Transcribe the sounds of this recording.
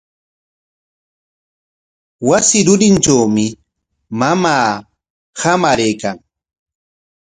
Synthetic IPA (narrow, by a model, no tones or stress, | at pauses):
wasɪɾʊɾɪnt͡ʃawmɪ | mamaː | hamaɾejkaŋ